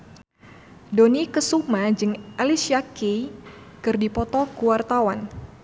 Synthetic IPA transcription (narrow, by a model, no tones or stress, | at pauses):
donikəsumad͡ʒɨŋʔalisiakej | kɨrdipɔt̪ɔkuwart̪awan